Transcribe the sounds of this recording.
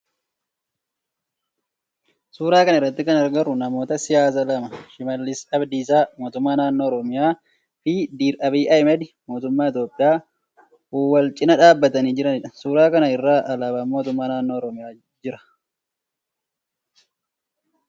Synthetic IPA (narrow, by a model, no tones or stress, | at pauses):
suːɾaːkɐnɐɪrːɐt̪ːɪkɐnɐɾɡɐrʊnɐmo̞ːt̪ɐsɪjaːs̬ɐlɐmɐʃɪmɐlːɪsɐbd̪iːsaːmo̞ːt̪ʊmːaːnaːnːo̞ːɔɾɔmɪjaː | fɪd̪iːɾʔɐbiːʔɐjmɛd̪ɪ | mo̞ːt̪ʊmːaːɪt̪jo̞ːpʼːɪjaː | uːwɐlt͡ʃʼɪnɐᶑaːbːɐt̪ɐniːd͡ʒɪɾɐnɪᶑɐ̥suːɾaːkɐnɐɪrːaːʔɐlaːbaːmmoːt̪ʊmːaːnaːnːo̞ːɔɾɔmɪjaː | d͡ʒɪɾɐ̥